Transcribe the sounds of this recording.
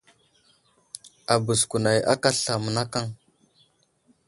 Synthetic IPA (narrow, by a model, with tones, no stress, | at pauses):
a˨bu˨sku˨na˨ja̰˦ka˦ɬa˨mə˨na˦ka˦ŋ